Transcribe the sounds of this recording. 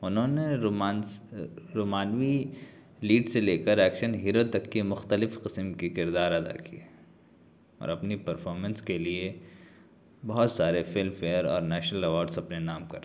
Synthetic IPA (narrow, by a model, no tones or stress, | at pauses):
ʊnɦõːnemaːn | ɾoːmaːnʋi | liːɖseleːkəɾɛːkʃənɦiːɾot̪ɐkːemʊxt̪əlɪfqɪsəmkikɪɾd̪aːɾɐd̪a̰kie | ɔ̰ːɾɐpnipɐɾfʰɔːɾmə̃nskelie | bɐɦʊt̪saːɾefɪlmfeːəɾɔ̰ːɾnɛːʃnəlɐʋɔːɾɖsɐpnenaːmkɐɾ